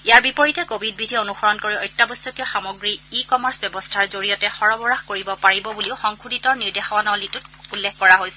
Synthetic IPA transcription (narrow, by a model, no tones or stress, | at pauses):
iaɹbipɔɹitɛkobʱid̚bidʱiɛonuxɔɹɔnkoɹiɔjtːabɔsɔkjɔxamɔɡɹiːkɔmaɹsbjɛbɔstʰaɹzoɹijɔtɛxɔɹɔbɔɹaxkoɹibɔpaɹibɔbuliʊxɔŋkʰuditɔɹniɹdexɔwanɔlitʊtulːexkɔɹaɦojsɛ